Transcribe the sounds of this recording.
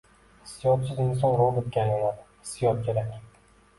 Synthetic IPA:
sijɒt̪̚t͡ʃʰɪd̪aɪns̬ɒnɾobɪt̪̚ɡʲajɒnad̪ɪ̥ | sijɒt̪̚d͡ʒʲaɾakʲ

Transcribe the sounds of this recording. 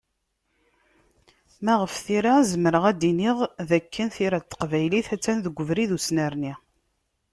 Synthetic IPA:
mæʁəfθiɾazəməɾəʁæd̪iniʁðækːənθiɾæt̪ːə̥qvæjliθæt͡sːænðəɡʷːəvɾiðusnæɾni

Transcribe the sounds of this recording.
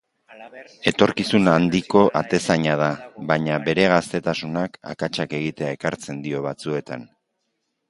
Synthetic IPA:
e̞t̪o̞ɾkisunand̪iko̞ʔat̪e̞saɲaðaβaɲaβe̞ɾe̞ɣ̞ast̪e̞t̪asunaka̰kat͡ʃake̞ɣ̞it̪e̞ae̞kaɾt͡se̞nd̪io̞βat͡sue̞t̪an

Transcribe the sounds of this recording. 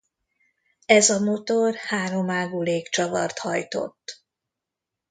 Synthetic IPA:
ɛzɒmot̪orhaːɾo̞maːɡuːleːkt͡ʃɒvɒ̰rt̪hɒjt̪o̞̰t̪ː

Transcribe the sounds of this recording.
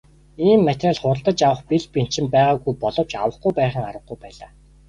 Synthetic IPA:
iːmːat̪raːɮχʊɾə̆ɮt̪ə̆t͡ɕawə̆χpiɮpin̥t͡ɕɪ̆mpæːʁaːɡɣujpɔɮɞ̆w̥t͡ɕa̰wə̆χɡujpæːχə̆ŋaɾwə̆ɡɡujpæːɮaː

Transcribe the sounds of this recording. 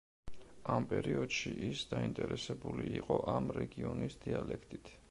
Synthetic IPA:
ampʼɛɾiɔd̪̥ʃiʔisd̪aint̪ʼɛɾɛsɛbuliːqʼɔʔamɾɛɡiɔnisd̪ialɛkʰt̪ʼit̪ʰ

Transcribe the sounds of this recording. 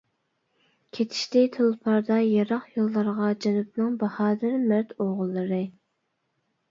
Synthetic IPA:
kʲʰet̪ʰi̥ʃt̪ɪt̪ʰolˠpʰɑɾd̪ɑjɑɾɑχjolˠːɑɾʁɑd͡ʒɑnɨp̚nɨŋbɑhɑːd̪ɪɾmæɾt̪ʰoʁʊlˠːɨɾɨ

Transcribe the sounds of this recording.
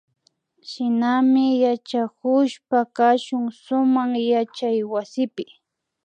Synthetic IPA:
ʃɪnamɪjat͡ʃakʊʃpakaʃʊŋsʊmaχjat͡ʃajwasɪpɪ

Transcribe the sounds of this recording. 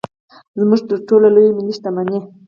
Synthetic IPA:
zmuʐt̪əɾʈolalojminiʃt̪amane

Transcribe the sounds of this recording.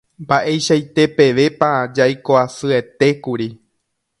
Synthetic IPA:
mbaʔe̞jʃajt̪e̞pe̞ʋe̞pad͡ʒajkoasɨe̞t̪e̞kuɾi

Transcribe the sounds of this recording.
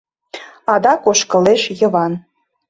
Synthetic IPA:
ɑd̪ɑkoʃkɤ̆leʃjə̆βɑn

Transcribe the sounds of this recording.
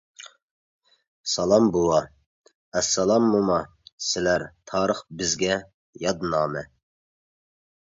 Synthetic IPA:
sɑlˠɑmbulˠɑ | ɛsːɑlˠɑmːumɑ | sɪlæɾt̪ʰɑːɾəχbɪzɡʲɛ | jɑd̪nɑːmɛ

